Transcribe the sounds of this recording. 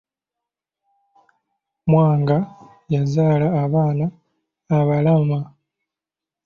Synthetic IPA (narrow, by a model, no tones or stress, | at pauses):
mwaːŋɡa | jazaːlaːβaːnaː | βalama